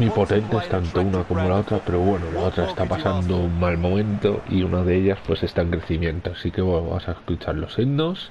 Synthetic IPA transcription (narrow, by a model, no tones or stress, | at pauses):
mipo̞t̪e̞nt̪eest̪ant̪ounako̞mo̞lao̞t̪ɾape̞ɾo̞βwe̞nolao̞t̪ɾaest̪apasand̪ouŋmalmõ̞mẽ̞nt̪o̞̰iunʔað̞e̞eʎaspwe̞se̞st̪aeŋkɾe̞θimjẽ̞nt̪oasike̞βona̰mosaesklit͡ʃaɾlo̞sennos